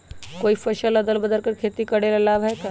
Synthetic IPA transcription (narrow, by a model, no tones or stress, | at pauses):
koːifɐʃəlɐd̪əlbɐd̪əlkɐɾkʰeːt̪ikɐɽelɐlaːbɦɛka